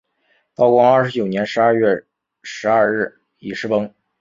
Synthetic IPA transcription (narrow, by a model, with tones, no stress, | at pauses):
t̪ɑ˥˧ʊkwɔ˥˧a˞˥˩ʂɻ̩˧˥t͡ɕjo˨˩ʊnjɛ˧˥nʂɻ̩˧˥a˥˧ɥɛ˥˩ | ʂɻ̩˧˥ɐ˥˧ɻɻ̩˥˩ | ḭ˧˩ʂɻ̩˥˩pɤ˥ŋ